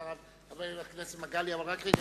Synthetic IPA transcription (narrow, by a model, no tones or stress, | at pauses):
aʁav | aveaknesimaɡaliavalʁakʁeɡ